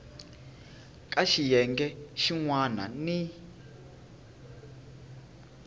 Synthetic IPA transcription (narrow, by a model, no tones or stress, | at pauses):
kʼaʃijɛŋɡɛʃiŋwana̰ni